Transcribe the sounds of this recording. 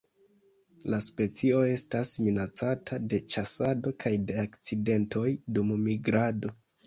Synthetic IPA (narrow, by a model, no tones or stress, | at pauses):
laspe̞t͡sio̞e̞stasminat͡satʰade̞t͡ʃasado̞kʰajde̞akt͡side̞ntʰo̞jdummiɡɾado̞